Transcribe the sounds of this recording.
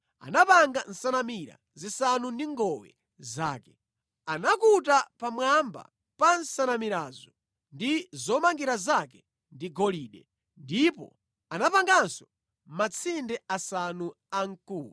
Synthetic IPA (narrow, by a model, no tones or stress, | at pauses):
a̰napaŋɡan̩sanamiɾa̰ | zisanundiŋɡɔwɛ̰ | zaːkɛ | anakutapamwamba̰ | pansanamiɾaːzɔ | ndizɔmaŋɡiɾazakɛ | ndiɡɔliːɗɛ | ndipɔ̰ | anapaŋɡansɔ | mat͡sʰindɛasanu | aŋkuːlu